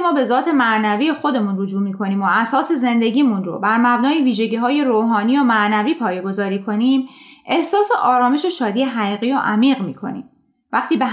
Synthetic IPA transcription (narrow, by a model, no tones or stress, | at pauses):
mɒːbe̞zɒːt̪ʰe̞mæʔnæviːjexo̞d̪e̞munrod͡ʒuːmiːkʰo̞niːmoʔæsɒːse̞ze̞nd̪e̞ɟʲiːmunro̰bæɾmæbnɒːjiviːʒe̞ɟiːɦɒːje̞ɾoːɦɒːniːjomæʔnæviːpʰɒːjeɡo̞zɒːɾiːkʰo̞niːmʔe̞hsɒːse̞ʔɒːɾɒːme̞ʃoʃɒːd̪ijeɦæʁiːɣiːjɒʔæmiːɣmiːkʰo̞̰nḭːm | væxt̪ʰiːbe